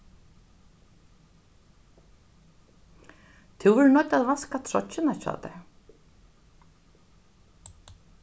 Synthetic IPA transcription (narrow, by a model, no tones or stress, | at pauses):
t̪ʰɪwvʏɾnɔjt̪aðvaskat̪ʰɾɔ̰ɪnacɔ̰ːt̪ɛ̰